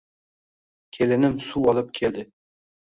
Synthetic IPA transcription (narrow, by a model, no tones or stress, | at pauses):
kʲʰelɘ̆nɘmsuɒlˠɤp̚kʲʰeld̪ɘ